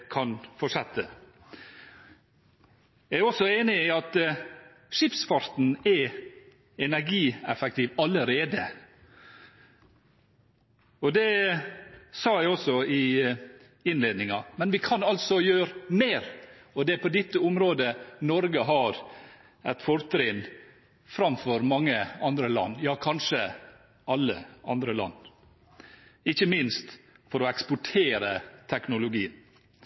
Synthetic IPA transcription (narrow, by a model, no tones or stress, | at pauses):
kʰɑnfɔʂɛt̪ʰːə | jæɪæɾɔsːɔeːnɪiːɑt̪ | ʂɪpsfɑɾt̪n̩ɛ | ɛnæɾɡiːɛfɛk̚t̪ʰiːʋɑləɾeːd̪ə | ɔd̪ɛ | sɑːjæɪɔsɔɪ | ɪnleːd̪nɪŋɑmɛnʋɪkʰɑnɑlsɔjøːɾmeːɾ | ɔd̪ɛpʰɔd̪ɪt̪ːəʊmɾoːd̪ənɔɾɡəɦɑɾ | æt̪fɔɾt̪ʰɾɪːn | fɾɑmfɔɾmɑŋːəɑnd̪ɾəlɑ̰nːjɑːkʰɑnʂə | ɑlːə̰ʔɑ̰nd̪ɾəlɑ̰nː | ɪçəmɪnst̪fɔɾɔɛkspʊʈʰeːɾət̪ʰɛknʊlʊɡiːən